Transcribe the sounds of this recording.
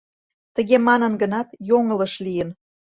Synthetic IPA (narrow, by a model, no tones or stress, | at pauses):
t̪əɣemɑnənɡənɑt̪joŋələʃlijən